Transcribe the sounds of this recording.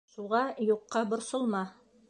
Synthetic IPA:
ʃuʁɑjuqːɑbŏɾsŏlˠmɑ

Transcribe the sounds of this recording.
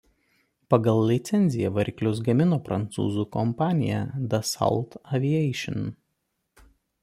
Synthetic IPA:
pɐɡɐlˠlːʲɪt̪sʲɛnʲzʲɪjɛʋɐɾʲkʲlʲʊs̬ɡɐmʲɪnoːpɾɐnt̪sṵːzuːkɔmpɑːnʲɪjɛ̰d̪ɐsɐ̰lˠt̪ɐʋʲiɛɪʃʲɪ̰n

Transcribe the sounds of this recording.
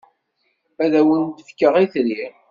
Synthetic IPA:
æðæwənt̪əfkːəʁiθɾi

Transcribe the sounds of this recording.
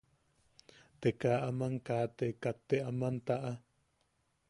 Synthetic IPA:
t̪ekaʔamaŋkaːt̪ekat̪ːeamant̪aʔa

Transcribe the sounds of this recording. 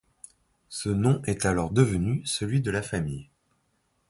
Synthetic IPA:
sənɔ̃ʔɛt̪alɔʁd̪əvənysəlɥid̪əlafamij

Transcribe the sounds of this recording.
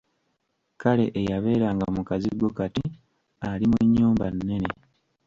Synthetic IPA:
kale̞ʔejaβe̞ːɾaːŋɡamukaziɡwokati | alimuɲːuːmbanːe̞ne

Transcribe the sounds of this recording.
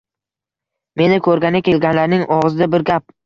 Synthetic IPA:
me̞nɪkʰɵɾɡʲanakʲʰe̞lɡʲanlaɾnɪŋʔɒʁɨzɪd̪abɪɾɡʲap̚

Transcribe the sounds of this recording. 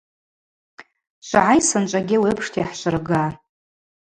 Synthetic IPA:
ʃʷaʕajsɨnt͡ʃʷʼaɡʲɪwiəpʰʂtʰjaħʃʷɨrɡa

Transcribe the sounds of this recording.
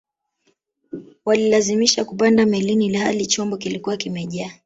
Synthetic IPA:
walilazimiʃakupandamɛlinilahalit͡ʃɔmbɔkilikuwakimɛʄaː

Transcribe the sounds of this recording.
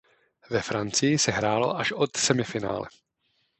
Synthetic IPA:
vɛfɾant͡sɪjɪsɛɦɾaːlo̞̰ʔaʃʔo̞t̪sɛmɪfɪna̰ːlɛ̰

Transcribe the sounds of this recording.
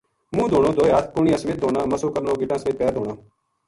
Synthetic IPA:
mũːd̪ʱoːɽ̃õːd̪oːaːt̪ʰkʊɳijãːsəmeːt̪̚d̪oːɽaːməsoːkəɾnoːɡɪʈãːsəmeːt̪̚pɛːɾd̪ʱoːɽ̃aː

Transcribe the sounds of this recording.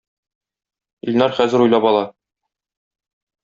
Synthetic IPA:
ilʲnæɾχæzɘ̆ɾujlˠɑpɒlˠɑ

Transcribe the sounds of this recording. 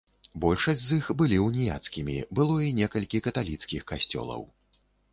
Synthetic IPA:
bɔlʲʂɐsʲtʲzixbɨlʲiwnʲija̰t̪skʲimʲḭbɨlˠɔinʲɛkɐlʲkʲikɐt̪alʲit̪skʲixkasʲt͡sʲɔ̰lˠɐ̰w

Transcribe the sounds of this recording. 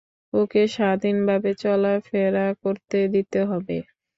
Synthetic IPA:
okeʃad̪ʱinbʱabet͡ɕɔlafeɾakoɾt̪ed̪it̪eɦɔbḛ

